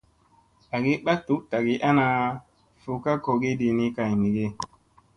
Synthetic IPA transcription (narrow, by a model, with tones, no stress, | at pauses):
a˨ɡi˦ɓa˦tu˨˦kta˨ɡi˦ʔa˦na˧ | fu˨ka˦ko˨ɡi˦di˨ni˦ka˨jni˨ɡe˦